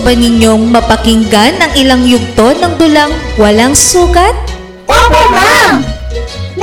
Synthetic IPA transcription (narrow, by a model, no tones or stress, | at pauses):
bɐnɪɲo̞ŋmɐpɐkɪŋɡanɐŋɪlaŋjʊɡ̚t̪o̞nɐŋd̪ʊlaŋwɐlaŋsuːkɐt̪̚